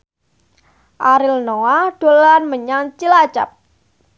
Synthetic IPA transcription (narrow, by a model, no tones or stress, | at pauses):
ʔaɾɪlnoaɖ̥o̤lanməɲaŋt͡ʃilḁt͡ʃa̰p̚